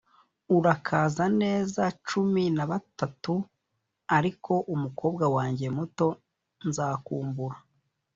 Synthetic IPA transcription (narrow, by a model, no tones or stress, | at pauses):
uɾakʰaːzane̞ːzat͡ʃuminaβatatu | aɾiko̞ʔumuko̞ːbɡawaːɲɟe̞muto̞ | nzaːkuːmbuɾa